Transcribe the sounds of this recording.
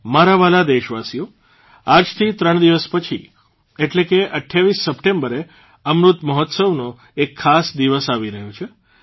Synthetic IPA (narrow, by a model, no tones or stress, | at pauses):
maɾaʋalad̪eʃʋasijo | ad͡ʒt̪ʰit̪ɾəɳ̃d̪iʋəspət͡ʃʰḭ | eʈlekeʔəʈʰjaʋisːəpʈembəɾe | əmɾut̪məɦɔt̪səʋno | ekʰːasd̪iʋəsaʋiɾəɦot͡ʃʰe